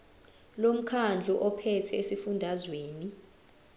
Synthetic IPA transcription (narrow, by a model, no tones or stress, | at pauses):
lom̩kʰand͡ɮʱuʔɔpʰɛtʰɛesifundʱazweːni